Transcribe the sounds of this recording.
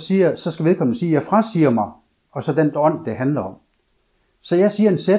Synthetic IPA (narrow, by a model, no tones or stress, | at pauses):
siːɐsɒ̽sɡ̥æʋieð̞ˠkʰɒ̽mn̩siːjaɪfʁasiːɐmɑ̈ɪ | ɒ̽sɒ̽d̥end̥ɒ̽n̰d̥eɦænlɐɒ̽m̰ | sɒ̽jɑ̈ɪsiːɐe̝nse